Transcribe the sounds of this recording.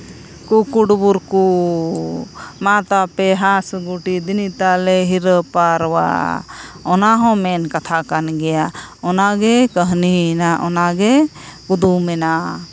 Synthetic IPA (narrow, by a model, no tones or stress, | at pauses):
kukuɽbuɾku | mat̪apɛɦãsɡuʈid̪init̪alɛɦiɾəpaɾwa̰ | ɔnaɦɔ̃mɛnkat̪ʰakanɡɛjaɔnaɡɛkəɦninaʔɔnaɡɛ | kud̪umɛna